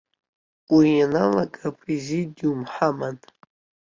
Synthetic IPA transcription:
uijanalakʼapʰrezidiumħaman

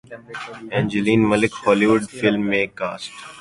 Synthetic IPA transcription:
ɛ̃ːnd͡ʒəliːnməlɪkhɔːliːʋʊɖfɪlmːẽkaːsʈ

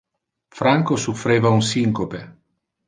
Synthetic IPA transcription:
fɾaŋkosufɾeːvaunsiŋkope

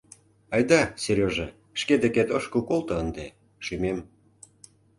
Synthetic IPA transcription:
ɑjd̪ɑseɾʲoʒe | ʃked̪eket̪əʃkukolt̪ɤ̆ənd̪e | ʃymem

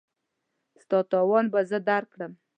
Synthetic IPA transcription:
st̪ɑt̪ɑwɑnbazəd̪aɾkɽəm

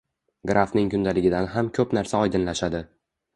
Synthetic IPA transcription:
ɡɾʔafnɪŋkʊnd̪alɪɡʲɪd̪anɦamkʲʰɵpnaɾsaɒjd̪ɪnlaʃad̪ɪ

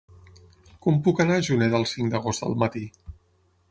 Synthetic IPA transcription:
kɔmpukənaʒunɛðəlˠsiŋd̪əɣ̞ozt̪d̪ə̰lˠmət̪i

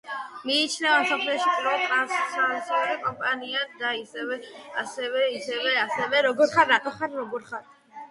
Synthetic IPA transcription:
miːt͡ʃʰnɛvamsɔpʰlɛɔʃipʼɾɔt̪ʼassasʰɛɔɾikʼɔmpʼaniad̪aisɛvɛasɛvɛisɛvɛasɛvɛɾɔɡɔɾχaɾːat̪ʼɔχaɾɾɔɡɔɾχaɾt̪ʰ

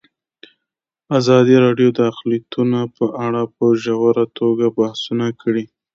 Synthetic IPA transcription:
azɑd̪iɾɑɖjod̪əaxlit̪unapəʔaɽapəʒawaɾat̪ʰoɡabahsunakʰəɽi

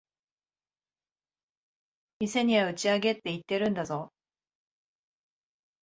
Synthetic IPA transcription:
mʲise̞ɲ̟iβaɯ̟t͡ɕiaɡe̞t̪ːe̞it̪ːe̞ɾɯ̟̃nd̪azo̞

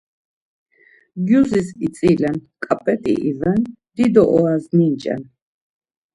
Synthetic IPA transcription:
ɡjuzisit̪t͡s̪ʼilɛnkʼapʼɛt̪ʼḭʔivɛnd̪̥id̪ɔʔɔaznint͡ʃʼɛ̰n

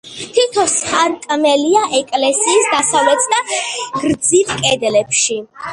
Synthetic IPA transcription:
t̪ʰit̪ʰɔsχaɾkʼmɛliaʔɛkʼlɛsiːsd̪asavlɛt̪ʰsd̪aɡ̥ɾd̪zit̪ʰkʼɛd̪lɛpʃi

